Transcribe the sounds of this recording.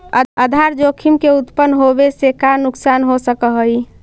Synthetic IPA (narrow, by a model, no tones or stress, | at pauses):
əd̪ʱaɾd͡ʒokʰimkeut̪pənɦobesekanuksanɦosəkəɦəi